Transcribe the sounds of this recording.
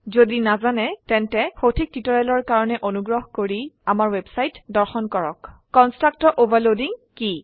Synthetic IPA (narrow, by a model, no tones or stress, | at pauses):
zodinazanɛtɛntɛxotʰik̚titɔɹɛlɔɹkaɹɔnɛʔonuɡɹɔɦkoɹiamaɹwebsajtdɔɹxɔnkɔɹɔ̰kkɔnstɹak̚tɔʔobʱaɹlodiŋki